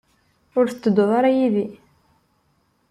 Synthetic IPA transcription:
ʊɾθə̥t͡sːəd̪ːoðˤaɾajiði

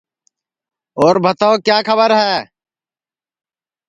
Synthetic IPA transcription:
oːɾbʱət̪aokjaːkʰəbəɾɦɛː

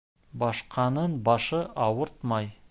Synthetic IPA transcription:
bɑʃqʰɑnənbɑʃəʔɑwəɾt̪mɑj

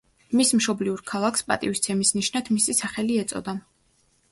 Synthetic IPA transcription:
mismʃɔbliuɾkʰalˠakʰspʼa̰t̪ʼivist̪sʰɛmisniʃnat̪ʰmisisaχɛliɛt̪sʼɔ̰d̪a

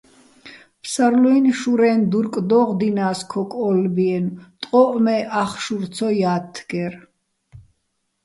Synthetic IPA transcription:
pʰsaɾlɔinʃuɾɛnd̪uɾkʼd̪ɔʁd̪inaːskʰɔkʼɔlbiɛnt̪ʼqʼɔʔmɛʔaχʃuɾt̪sʰɔjaːt̪ʰːɡɛɾ

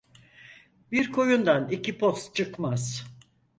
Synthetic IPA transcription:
biɾkʰo̞jund̪anicipʰost̪̚t͡ʃʰɯkmaz̥

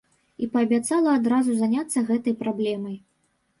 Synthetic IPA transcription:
ipɐːbʲat̪salˠɐːd̪ɾazuzanʲat̪sːɐɣɛt̪ɐjpɾablʲɛmɐj

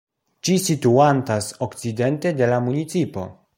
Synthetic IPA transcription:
t͡ʃisituantaso̞kt͡side̞nte̞de̞lamunit͡sipo̞̰

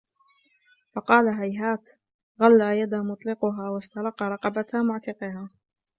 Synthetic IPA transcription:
fɑqɑːlaɦajɦaːt̪ | ɣalːaːjad̪amʊt̪ˤlɪqʊɦaːwast̪ɑlˤɑqːɑɾˤɑqɑbat̪amʊʕt̪ɪqɪhaː

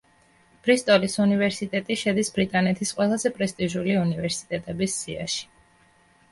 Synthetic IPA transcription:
pʰɾist̪ʼɔlisunivɛɾsit̪ʼɛt̪ʼiʃɛd̪isbɾit̪ʼanɛt̪ʰisqʼwɛlˠazɛpʼɾɛst̪ʼiʒuliunivɛɾsi̥t̪ʼɛt̪ʼɛbisːia̰ʃi̥

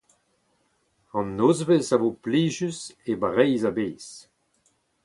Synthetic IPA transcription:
ɑ̃nːoːzvɛsavoːpliːʒysebaʁɛjzabeːs

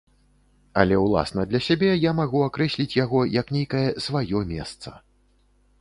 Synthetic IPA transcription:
ɐ̰lʲɛwlˠa̰snɐd̪lʲɐsʲabʲɛjamaɣuakɾɛsʲlʲit͡sʲjaɣɔjɐknʲejkɐjɛsvajɔmʲɛ̰st̪sɐ̰

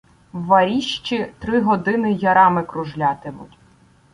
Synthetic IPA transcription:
wːɐɾʲiʃt͡ʃit̪ɾɪɦɔd̪ɪnɪjɐɾɑmɪkɾʊʒlʲɑt̪ɪmʊtʲ

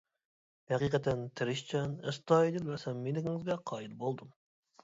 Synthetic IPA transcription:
hɛqiqɛt̪ʰːɛnt̪ʰɪɾɪʃt͡ʃʰɛnəst̪ɑːed̪ɪlbæɾsɛmːenɪɡʲɪŋɪzɡʲɛqʰɑːjilˠbolˠd̪um

